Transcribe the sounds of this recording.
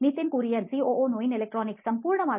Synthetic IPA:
nit̪ːɪnkuːɾijɐnsiːoːʔoːnoːjinɛlɛk̚ʈɾoːnɪksɐmpuːɾɳɐʋaː

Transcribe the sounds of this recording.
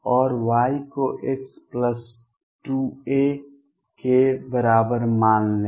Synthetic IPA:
ɔːɾwaːjkoʔɪkspləs | ʈue | kebəɾaːbəɾmaːnle

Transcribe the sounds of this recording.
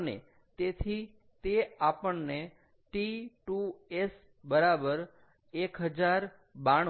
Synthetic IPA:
nḛ | t̪et̪ʰi | t̪eapəɳne | ʈiʈues | bəɾabəɾ | ekɦəd͡ʒaɾ | baɳ

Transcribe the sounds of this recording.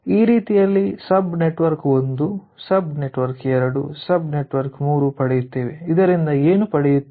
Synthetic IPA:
iːɾiːt̪ijɐlːisɐbne̞ʈʋɐɾko̞nd̪u | sɐbne̞ʈʋɐɾkɛɾɐɽṵsɐbne̞ʈʋɐɾkmuːɾupɐɽɛjut̪ːeːʋeid̪ɐɾind̪ɐeːnupɐɽɛjut̪ː

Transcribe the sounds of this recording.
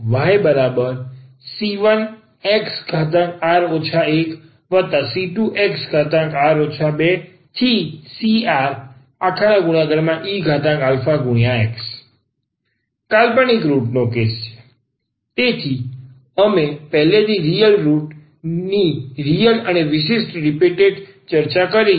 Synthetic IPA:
ʋaːebəɾabəɾ | siʋən | eksɡʱat̪̬ãkaːɾot͡ʃʰaek | ʋət̪asiʈuʔeksɡʱat̪ə̃kaːɾoːt͡ʃʰabe | t̪ʰisiaːɾ | akʰañãɡʊɽ̃jãɡəɾmãʔiːɡʱat̪ãɡaːlfaɡʊɽ̃jãeks | kalpəɳikɾuʈnokest͡ʃʰe̥ | t̪et̪ʰi | əmepɛɦlet̪iɾijəlɾuʈ | niɾijələneʋɪʃesʈɾipiʈeɖ | t͡ʃəɾt͡ʃakəɾi

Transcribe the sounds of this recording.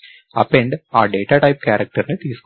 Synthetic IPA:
ɐpːeɳɖaːɖe̞ːʈːaːʈɐjp̚kʲaːɾɐk̚ʈɐrinɨt̪iːsk

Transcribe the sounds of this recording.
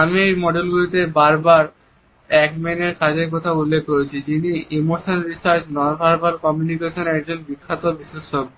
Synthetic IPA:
amiejmɔɖelɡulit̪ebaɾbaɾ | ɛkmeneɾkʰad͡ʑeɾk̬ɔt̪ʰaulːekːoet͡ɕʰid͡ʑiniimoɾsonɾisaɾt͡ɕnɔɾbʱaɾbalkɔmjunikeʃonɛk̚d͡ʑonbikʰːat̪obiʃeʃok̚

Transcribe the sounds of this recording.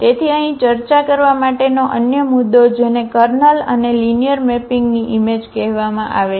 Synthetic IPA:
t̪et̪ʰiəɦĩt͡ʃəɾt͡ʃakəɾʋamaʈenoʔənjəmʊd̪ːod͡ʒenekəɾnələ̰nelinijəɾmɛpiŋɡniʔimed͡ʒkɛɦʋamã̰ʔa̰ʋe

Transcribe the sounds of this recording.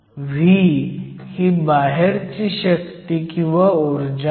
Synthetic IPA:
ʋʱi | hibaɦeɾt͡ɕiɕək̚t̪ikĩʋaoɾd͡ʑ

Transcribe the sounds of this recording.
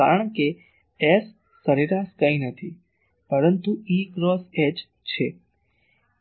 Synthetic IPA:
a̰ɾəɳ̃ke | esː | əɾiɾaskə̃ĩnət̪ʰi | pəɾənt̪uiɡɾɔsed͡ʒ | t͡ʃʰe

